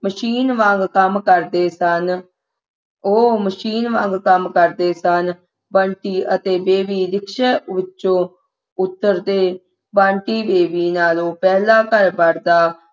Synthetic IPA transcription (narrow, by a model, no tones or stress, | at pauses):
məʃiːnʋãːŋɡkəmkəɾd̪eːsən | oːməʃiːnʋãːŋɡkəmkəɾd̪eːsən | bəːɳʈiːʔət̪eːbeːʋiːɾɪkʃɛːʋɪtːʃõː | ʊt̪ːəɾd̪eː | bãːɳʈiːbeːbiːnaːloːpɛːlaːkəɾbəɾd̪aː